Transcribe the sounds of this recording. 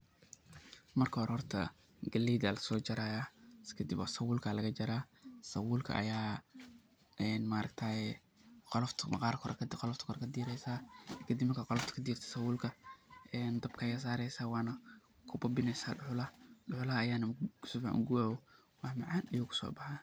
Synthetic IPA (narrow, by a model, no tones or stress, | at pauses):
mɐrkʰɔːɾhɔrt̪ʰɐ̰ | ɡɐliːd̪ɐlɐsɔːt͡ʃɐɾaːjaskʰɐd̪ɪbɔ̰sɐwʊːlkʰalɐɣɐt͡ʃɐɾaːsɐwʊːlkʰɐ̰ʔɐ̰jaː | ɛnmaɾɐkt̪ʰaːɛ | qɔlɔft̪ʰmɐ̰qɑːɾkʰɔɾkɐqɔlɔft̪ʰɐ̥kʰɔɾkʰɐd̪iːɾɛjsaːkʰɐd̪imɐkʰɐqɔlɔft̪ʰɐ̥kʰɐd̪iːrt̪ʰɐ̥sɐwʊːlkʰɐɛːnd̪ɐbkʰɐɛjɣɐs̬aːɾɛjsaːwɑːnɐ | kʰʊbɐbɪnɛjsa̰ːɖʊħʊlɐɖʊħʊlɐhɐːjaːnɐkʰʊsɔfa̰ʔʊ̰ɡʊwaːwɔ | wɑːhmɑʕɑːnɐjʊːkʰʊ̥sɔ̰ːbɑħaː